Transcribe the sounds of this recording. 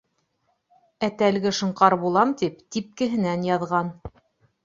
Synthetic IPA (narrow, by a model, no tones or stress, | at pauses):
æt̪ælɡɘʃɤ̆ɴqɑɾbulˠɑmt̪ipt̪ip̚kɘ̆ɦɘ̆nænjɑðʁɑn